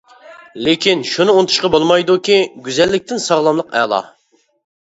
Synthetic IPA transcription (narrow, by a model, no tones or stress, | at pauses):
lekʲinʃunɨont̪ʰu̥ʃqɑbolˠmɑjd̪ukʲiɡʲyzɛlːɪk̚ʲt̪ʰɪnsɑʁlˠɑmlˠəqɛ̰lˠɑ̰